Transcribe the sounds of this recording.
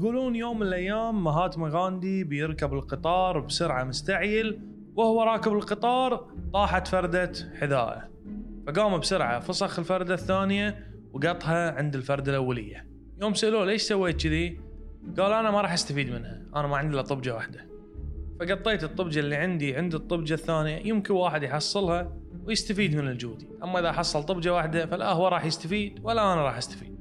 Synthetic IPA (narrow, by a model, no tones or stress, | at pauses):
ɡuːluːnjoːmːɪnəlʔajːaːmːaɦaːt̪maɣaːnd̪ibjɪɾkabɪlqɨt̪ˤɑːɾˤbsʊɾʕamʊst̪aʕjɪl | wɪhwaɾˤɑːkɪbɪlqɨt̪ˤɑːɾˤt̪ˤɑːħat̪fɑɾˤd̪aħɪða̰ːʔa̰ | faɡaːmabsʊɾʕa̰fɑsˤɑxɪlfɑɾˤd̪aθːaːnɪja | wɡɑt̪ˤhaʕɪnd̪ɪlfɑɾˤd̪alʔawːalɪjːa | joːmsʊʔloːleːʃsawːeːt̪t͡ʃɪðiɡaːlʔanamaɾˤɑːħʔast̪afiːd̪mɪnhaʔanamaʕɪnd̪lat̪ˤːɨbd͡ʒawaħd̪ḁ | faɡɑt̪ˤːeːt̪ɨt̪ˤːɨbd͡ʒalːiʕɪnd̪iʕɪnd̪ɨt̪ˤːɨbd͡ʒaθːaːnjajɪmkɪnwaːħɪd̪jħɑsˤːɨlhɑwjɪst̪afiːd̪mɪnɪld͡ʒuːd̪iʔamːaʔɪðaħɑsˤːɑlt̪ˤɨbd͡ʒawaħd̪afalʔahwaɾˤɑːħjɪst̪afiːd̪walːaʔanaɾˤɑːħast̪ḁfḭːd̪̚